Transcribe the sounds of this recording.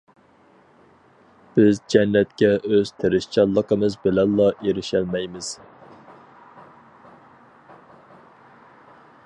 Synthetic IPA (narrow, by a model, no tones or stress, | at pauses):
b̥ɪzd͡ʒɛnːɛt̪̚kʲɛʔøz̥t̪ʰeɾɪʃt͡ʃʰɑlˠːəqəmɨzbɪlɛnlɑʔeɾɪʃælmɛjmɪz̥